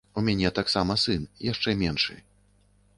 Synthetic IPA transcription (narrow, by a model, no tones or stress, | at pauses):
umʲanʲɛt̪aksamɐsɨnjaʂt͡ʂɛmʲɛnʂɨ̰